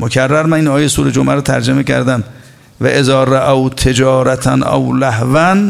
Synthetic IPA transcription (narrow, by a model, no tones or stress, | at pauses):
mokʰærːæɾmæninɒːjejsuːɾe̞d͡ʒomʔæɾɔt̪ʰæɾd͡ʒemecʰæ̰ɾd̪æm | væʔezɒːɾaʔæwt̪ʰe̞d͡ʒɒːɾæt̪ʰænʔæ̰wlæhvæn